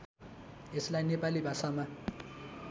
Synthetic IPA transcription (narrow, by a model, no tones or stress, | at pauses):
eslajnepalibʱasama